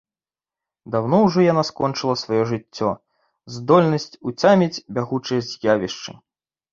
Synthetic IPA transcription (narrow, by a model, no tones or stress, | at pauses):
d̪awnɔwʐɔjanaskɔnt͡ʂɨlˠɐsvajɔʐɨt͡sʲːɔ | zd̪ɔlʲnɐsʲt͡sʲut͡sʲamʲit͡sʲbʲaɣut͡ʂɨjɐzʲjavʲiʂt͡ʂɨ̰